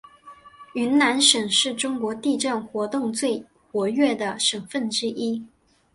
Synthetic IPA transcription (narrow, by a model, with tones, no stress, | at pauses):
y˧˥nna˧˥nʂə˨˩ŋʂɻ̩˥˩ʈ͡ʂʊ˥ŋkwɔ˧˥t̪i˥˧ʈ͡ʂa˥˩nxwɔ˧˥t̪ʊ˥˧ŋt͡swe˥˩ɪ | xwɔ˧˥ɥɛ˥˩d̪ə˩ʂə˨˩ŋfə˥˩nʈ͡ʂɻ̩˥ʔi˥